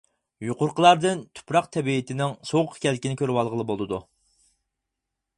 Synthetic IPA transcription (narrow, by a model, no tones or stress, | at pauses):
juqʊɾqəlˠɑɾd̪ɨnt̪ʰʊ̥pɾɑqt̪ʰɛbiɪt̪ʰɪnɪŋsoqʰːkʲʰɛlkʲinɪkʲʰøɾwɑlˠʁəlˠɨbolˠɨd̪u